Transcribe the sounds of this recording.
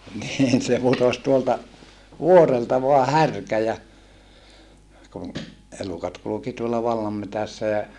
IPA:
niːn se putos tuoltɑ ʋuoreltɑ ʋoɑ hærkæ jɑ kun elukɑt kuluki tuolːɑ ʋɑlːɑmːetæsːæ jɑ

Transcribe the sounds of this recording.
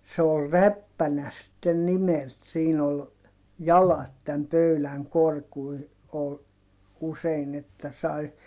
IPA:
se ol ræpːænæ sitːen nimelt siːn ol jɑlɑt tæm pøylæŋ korkui ol usein etːæ sɑi

